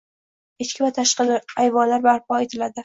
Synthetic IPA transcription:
et͡ʃkʲɪvat̪ʰaʃqɨlɪajvɒnlaɾbaɾpʰɒet̪ʰɪlad̪ɪ

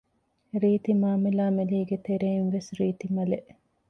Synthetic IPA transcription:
ɾiːt̪imaːmelaːmɐliːɡet̪eɾeinʋesɾiːt̪imɐleʔ

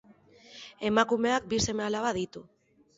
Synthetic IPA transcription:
e̞makume̞ak̚bise̞mealaβaðit̪u

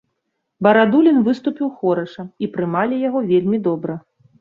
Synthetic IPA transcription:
bɐɾad̪ulʲinvɨst̪upʲiwxɔɾɐʂɐipɾɨmalʲijaɣɔvʲelʲmʲid̪ɔbɾɐ

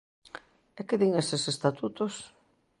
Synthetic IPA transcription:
ɛkɪðiŋesesest̪at̪ut̪os

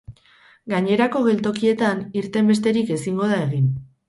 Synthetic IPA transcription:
ɡaɲe̞ɾako̞ɣ̞e̞lt̪o̞kie̞t̪aniɾt̪e̞mbe̞st̪e̞ɾike̞siŋɡo̞ð̞ae̞ɣ̞in

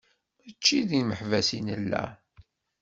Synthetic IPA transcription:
æt͡ʃːiðiməħvæsinəlːæ̰

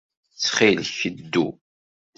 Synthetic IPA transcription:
t͡sːχilçəd̪ːṵ

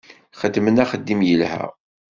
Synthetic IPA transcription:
χəd̪ːmənæχəd̪ːimjəlhæ̰

